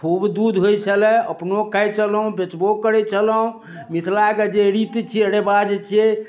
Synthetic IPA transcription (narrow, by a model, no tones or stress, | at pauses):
kʰubd̪ud̪ɦojt͡ʃʰəlɛə̰pnokəjt͡ʃʰəlɦũbet͡ʃbokəɾɛt͡ʃʰələɦũ | mit̪ʰlaked͡ʒeɾit̪t͡ʃʰiəɽebad͡ʒt͡ʃʰie